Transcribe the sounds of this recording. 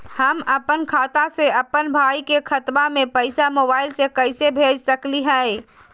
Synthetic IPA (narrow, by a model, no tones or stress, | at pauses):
həməpənkʰaːt̪aseəpənbʱaːikekʰət̪bamẽpəɪsamobaːɪlsekəɪsebʱeːd͡ʒsəkliɦɛe